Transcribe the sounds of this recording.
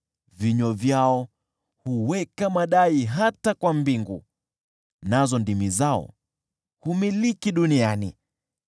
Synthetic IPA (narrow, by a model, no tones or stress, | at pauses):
viɲɔvjaɔ | huwɛkamaɗaiɦatakwambiŋɡṵ | nazɔndimizaɔ̰ | humilikiɗuniani